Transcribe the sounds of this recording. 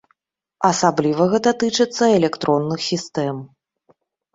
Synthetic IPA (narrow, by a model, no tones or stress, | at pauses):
ɐsablʲivɐɣɛt̪ɐt̪ɨt͡ʂɨt̪sːɐɛlʲɛkt̪ɾɔnːɨxsʲist̪ɛm